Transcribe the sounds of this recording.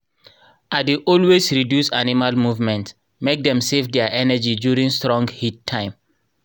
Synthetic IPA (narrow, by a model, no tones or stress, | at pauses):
adeʔɔlwesɹidjusanimalmuvmɛ̃nts | mek̚dɛ̃msevdɛaʔɛnəd͡ʒidjuɹĩŋstɹɔ̃ŋɡhitʰːãɪ̃m